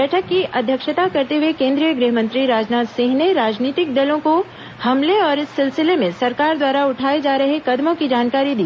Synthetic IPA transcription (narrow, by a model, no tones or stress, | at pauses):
ɛːʈʰəkːiʔɐd̪ʱjəkʃət̪akɐɾt̪eɦwekẽːnd̪ɾijəɡɾɪɦmə̃nt̪ɾiɾaːd͡ʒnaːt̪sɪ̃ŋɦneɾaːd͡ʒniːt̪ɪk̚d̪ɐlõko | hɐmleɔːɾɪsːɪlsɪlemẽsɐɾkaːɾd̪waːɾaʊʈʰaːed͡ʒaːɾɐɦekɐd̪mõkid͡ʒaːnkaːɾid̪iː